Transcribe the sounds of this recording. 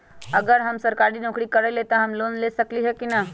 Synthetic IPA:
əɡəɾɦəmsəɾkaɾinɔ̃ːkɽikəɾelet̪aɦəmloːnlesəkliɦɛkinə

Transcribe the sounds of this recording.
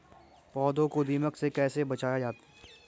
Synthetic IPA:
pɔːd̪õkod̪iːməksekɛːsebɐt͡ʃaːjad͡ʒaːt̪ː

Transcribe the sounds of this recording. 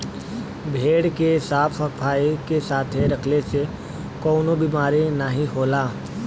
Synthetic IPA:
bʱeːɽkesaːpʰəpʰaːikesaːt̪ʰeɾɐkʰlese | kɔːnobiːmaːɾenaɦĩɦoːlaː

